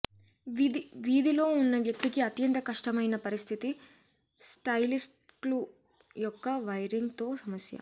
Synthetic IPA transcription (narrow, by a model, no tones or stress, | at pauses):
id̪iʋiːd̪ilo̞ːunːɐʋjɐk̚t̪ikiɐt̪jɐnt̪ɐkɐʂʈɐmɐjnɐpɐɾist̪ʰit̪i | sʈɐjlisʈlu | jɔkːɐʋɐjɾiŋɡt̪o̞ːsɐmɐsjɐ̰